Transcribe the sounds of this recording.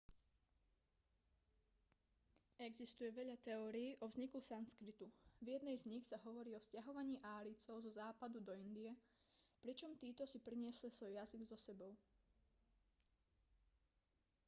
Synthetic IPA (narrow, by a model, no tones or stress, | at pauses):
ɛɡzist̪ujɛʋɛʎat̪ɛɔːɾiːʔɔvzɲikusanskɾit̪uvjɛd̪nɛjzɲixsaɦɔʋɔɾiːɔscaɦɔʋaɲiːʔaːɾit͡sɔʊzɔzaːpad̪ud̪ɔind̪iɛ | pɾit͡ʃɔmt̪iːt̪ɔsipɾiɲɪɛslisʋɔjjaziɡzɔsɛbɔʊ